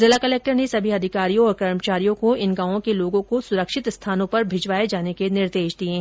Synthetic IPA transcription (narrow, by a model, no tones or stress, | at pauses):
zɪlakɐlɛːk̚ʈəɾnesɐbʱiɦɐd̪ʱɪkaːɾijõɔːɾkɐɾmət͡ʃaːɾijõkoɪnɡãːõkeloːɡõkosʊɾəkʃɪt̪st̪ʰaːnõpɐɾbʱɪd͡ʒʋaːed͡ʒaːnekenɪɾd̪eːʃd̪iẽː